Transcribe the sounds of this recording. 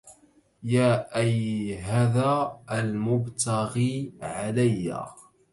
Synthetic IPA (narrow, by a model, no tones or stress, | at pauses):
jaːʔajɦaːðaːlmʊbt̪aɣiːʕalajːa̰